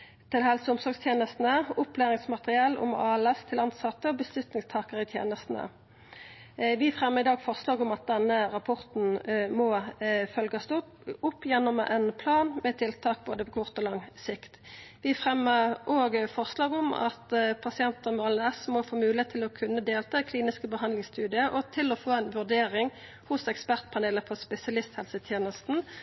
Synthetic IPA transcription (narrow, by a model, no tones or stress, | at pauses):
t̪ʰɪlhɛlsəʊmsɔʁɡst̪ʰjeːnəst̪n̩əʊplæːʁɪŋsmɑt̪ʁɪɑːlʊ̰m̰ɑːɛlɛst̪ʰɪlɑnsɑt̪ːəɔbəslʉt̪nɪŋst̪ʰɑːkəʁɪt̪ʰjḛːnəst̪n̩ə̰ | ʋɪfʁɛmːəʁɪd̪ɑːɡfɔʁslɑːɡʊmɑt̪̚d̪ɛnːəʁɑpʰɔʁt̪n̩mɔfœlɡɑsd̪ʊ | ʊpːjɛnːɔmʔɛnpʰlɑːnmɛt̪ʰɪlt̪ʰɑːk̚boːd̪əpʰɔkʰʊʁt̪ɔlɑŋsɪkt̪ʋɪfʁɛmːəʁʔoːɡfɔʁslɑːɡɔmɑ̰t̪pʰɑsɪɛnt̪əmɑlɛsmɔfoːmʉːlɪeːt̪ʰːɪlɔkʰʉnːəd̪eːlt̪ʰɑɛkʰliːnɪskəbəɦɑnd̪lɪŋst̪ʉːd̪ɪəʔɔt̪ʰɪlɔfoːɛnʋʉʁd̪eːʁɪŋ | hʊsɛkspæʁt̪̚pʰɑʁneːləpʰɔspɛsɪɑlɪst̪hɛlsət̪ʰjeːnəst̪n̩